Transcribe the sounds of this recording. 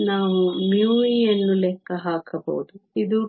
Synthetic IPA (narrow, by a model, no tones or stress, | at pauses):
naːʋumjuːijɐnːulɛkːɐɦaːkʰɐbo̰wud̪uid̪u